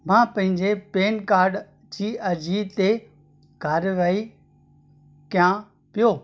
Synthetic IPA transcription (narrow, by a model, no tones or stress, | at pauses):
mãːpɐ̃ɦɪ̃ɲd͡ʑepeːnkaːɾɖ | d͡ʑiːɐd͡ʑʱiːt̪e | kaːɾʋaːi | kjã | pijoː